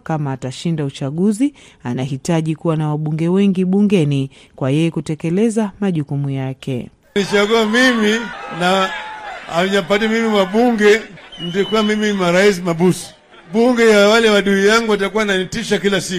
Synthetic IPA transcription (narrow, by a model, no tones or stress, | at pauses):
kamaːtaʃindaut͡ʃaɠuzi | anaɦitaʄikuwanawaɓuŋɡɛwɛŋɡiɓuŋɡɛni | kwajɛjɛkutɛkɛlɛzamaʄukumujakʰɛ̰ | nit͡ʃaɡuamimina | aɲapatimimiwaɓuŋɡɛndikuwamimimaɾais̬imaɓusi̥ | ɓuŋɡɛjawalɛwaɗuijaŋɡuwatakuwananitiʃakilasi